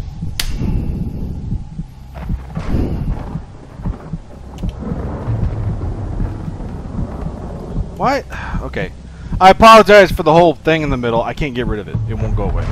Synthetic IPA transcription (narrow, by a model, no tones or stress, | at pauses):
waɪt̚oʊkʰeɪ | aɪəpʰɑlˠəd͡ʒaɪz̥fə˞ðəhoʊlˠθɪ̃ŋɨ̃nðɨmɪɾl̩ˠaɪkʰæ̃nɡ̥ɛt̚ɹɪɾʌvɨ̰t̚ɨt̚wõʊ̃nɡ̥oʊə̰wḛɪ